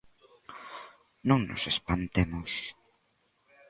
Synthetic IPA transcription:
nõŋnʊ̰sespant̪emʊs

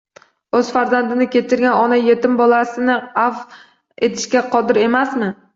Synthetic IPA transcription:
ɵz̥faɾzand̪ɪnɪkʲe̞t̪ʰɪɾɡʲanɒnajet̪ɪmbɒlˠasɪnɪaf | et̪ʰɪ̥ʃkʲaqʰɒd̪ɪɾe̞masmɪ

